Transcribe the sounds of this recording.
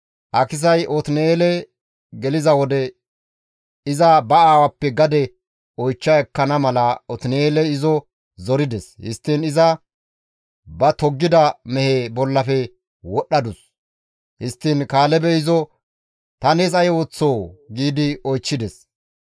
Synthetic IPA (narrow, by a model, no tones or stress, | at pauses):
hɐkɪs̬ɐjɔt̪ɪnɛeːlɛ | ɡɛlɪzɐwɔd̪ɛ | ɪzɐbɐaːwɐpːɛɡɐd̪ɛ | ɔjt͡ʃːɐɛkːɐnɐmɐlɐɔt̪ɪnɛeːlɛɪzɔ | zɔɾɪd̪ɛshɪ̰st̪ːɪnɪzɐ | bɐt̪ɔɡːɪd̪ɐmɛheːbɔlːɐfɛ | wɔɗːɐd̪ʊs | hɪst̪ːɪnkaːlɛbɛɪzɔ | t̪ɐneːs̬ɐjot͡sːoːɡiːd̪ɪɔjt͡ʃːɪd̪ɛs